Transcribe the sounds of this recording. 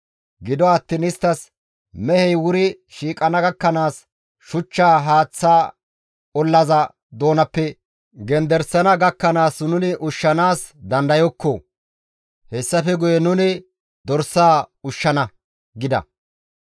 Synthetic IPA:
ɡɪd̪ɔɐt̪ːɪnɪst̪ːɐs | mɛhɛjwʊɾɪ | ʃiːkʼɐnɐɡɐkːɐnaːs | ʃʊt͡ʃːaːɦaːt͡sːaː | ɔlːɐzɐ | d̪o̞ːnɐpːɛ | ɡɛnd̪ɛɾsːɐnɐɡɐkːɐnaːsnʊnɪʔʊʃːɐnaːsd̪ɐnd̪ɐjɔkːɔ | hɛsːɐfɛɡʊjɛnʊnɪ | d̪ɔɾsːaːʊʃːɐnɐ | ɡɪd̪ɐ̰

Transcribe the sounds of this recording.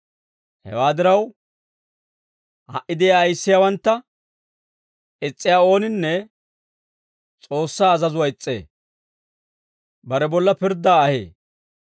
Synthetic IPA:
hɛ̰waːd̪ɪɾɐw | hɐ̰ʔɪd̪ɪjaːjsːɪjawɐnt̪ːɐ | ɪt͡sʼːɪjaːo̞ːnɪnːɛ | t͡sʼo̞ːsːaːzɐzʊwɐɪt͡sʼːḛː | bɐɾɛbɔlːɐpɪɾd̪aːɐhḛː

